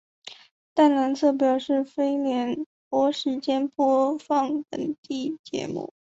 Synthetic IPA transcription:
t̪a˥˩nna˧˥nsʰɤ˥˩p̬jɑ˨˩ʊʂɻ̩˥˩fe˥ɪljɛ˧˥n | pwɔ˧˥ʂɻ̩˧˥t͡ɕjɛ˥npwɔ˥fɑ˥˩ŋt̪ə˨˩ŋt̪i˥˩t͡ɕjɛ̰˧˥mṵ˥˩

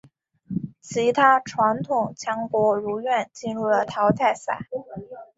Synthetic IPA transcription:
t͡ɕʰi˧˥t̪ʰa˥ʈ͡ʂʰwa˧˥nt̪ʰʊ˨˩ŋt͡ɕʰjɑ˧˥ŋkwɔ˧˥ɻu˧˥ɥɛ˥˧nt͡ɕi˥˧nɻu˥˩lə˩t̪ʰɑ˧˥ʊt̪ʰa˥˩ɪsa̰˨˩˦

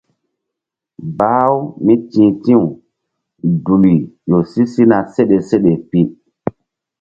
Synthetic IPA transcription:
ba˦wmi˦tĩː˨tĩ˦u˨ | du˨li˨jo˨si˦si˦na˨se˦ɗe˨se˦ɗe˨pi˦

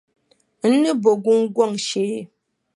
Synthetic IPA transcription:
n̩˦nɨ˦bo˨ɡu˦ŋ̩˦ɡwɔ˦˨ŋ˨ʃe˦

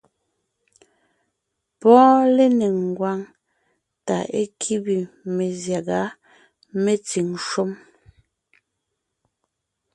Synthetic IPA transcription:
pɔ̃ː˦le˦ne˨ŋ˨ɡwa˨˦ŋ | ta̰˨ʔe˦kʰi˦bi˨me˨zja˨ɡa˨˦ | me˦t͡si˨ŋʃo˦m

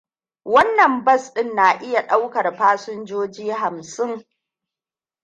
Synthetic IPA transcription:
wɐ˦nːɐ˨mbɐ˦˨sɗɪ˦nːaː˨ʔɪ˦ja˨ɗa˦wkɐ˨rɸaː˦sʊ˦nd͡ʒoː˦d͡ʒiː˦ɦa˨msɪ˦ŋ

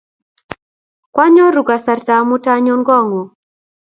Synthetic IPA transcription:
kwa˦ɲɔ˦ɾu˨ka˨sa˨rta˨mu˦ta˦ɲo˦ŋɡɔ˦˨ŋo˨

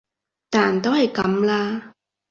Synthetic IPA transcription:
t̪aː˨˩nt̪o˥whɐ˨˩jkɐ˨˥mlaː˧

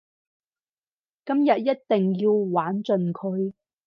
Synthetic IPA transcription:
kɐ˥mjɐ˨t̚jɐ˥t̚t̪ɪ˨ŋjiː˧wwaː˨˥nt͡sɵ˨nkʰɵ˨˧ɥ

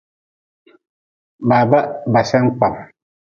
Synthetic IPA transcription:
ba˨ba˦ʔba˨sɛ˦ŋ˦k͡pa˨m

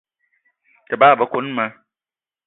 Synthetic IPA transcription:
tɛ˨baː˦˨bə˨˦ko˨˦n˦ma˨˦

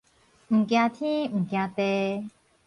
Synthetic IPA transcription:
m̩˨kja˧t̪ʰĩ˦m̩˨kja˧t̪ɛ˧

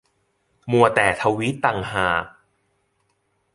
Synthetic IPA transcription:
mu˨˧ɐt̪ɛː˨˩t̪ʰa˧wi˦˥t̪ːa˨˩ŋɦaː˨˩k̚

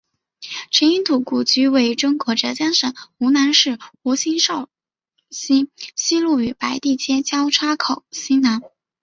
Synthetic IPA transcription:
ʈ͡ʂʰə˧˥i˥nt̪ʰu˨˩ku˨˩t͡ɕy˧˥we˥˩ɪʈ͡ʂʊ˥ŋkwɔ˧˥ʈ͡ʂɤ˧˥t͡ɕja˥nʂə˨˩˦u˧˥na˧˥nʂɻ̩˥˩u˧˥ɕi˥nʂɑ˥˩ʊ | ɕi˥ɕi˥lu˥˩y˨˩pa˧˥ɪt̪i˥˩t͡ɕjɛ˥t͡ɕjɑ˥ʊʈ͡ʂʰa˥kʰo˨˩ʊɕi˥na˧˥n

